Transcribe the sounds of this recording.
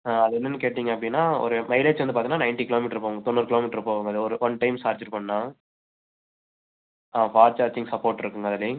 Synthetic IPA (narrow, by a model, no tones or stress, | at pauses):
aːɐðɯɛnːɐnːɯkeːʈːiːŋɡɐpːɐɽɪnːaːɔ̰ɾɯmɐɪleːd͡ʒɐnd̪ɯpaːt̪iɡnaːnɐɪnʈikɪloːmiʈːɾɪɾɯp̬ːoːŋɡɐt̪ɔnːuːɾɯkɪloːmɪʈːɾɪɾɯpːoːʋɐŋɡɐðɯɔɾɯʋɐnʈɐɪmsaːɾd͡ʒɐɾpɐɳːãː | aːfaːɾt͡ʃaːɾd͡ʒɪ̃ŋɡsɐpoːʈːɪɾɯkːɯŋɡɐðɐli